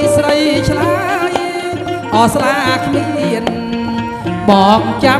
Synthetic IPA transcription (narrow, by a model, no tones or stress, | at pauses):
srəjt͡ɕʰlaj | ʔɑːslaːʔkʰmiiən | ɓɑːŋt͡ɕa